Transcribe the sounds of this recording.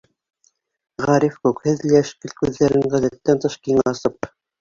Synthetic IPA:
ʁɑɾifkʉkhɘðliæʃkɘlkʉðːæɾɘŋʁæðæt̪ːænt̪ɤ̆ʃkiŋɑsɤp̚

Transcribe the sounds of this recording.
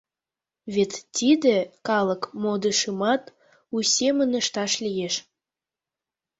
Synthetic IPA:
βet̪ːid̪ekɑləkmod̪əʃəmɑt̪ | usʲemənəʃt̪ɑʃlijeʃ

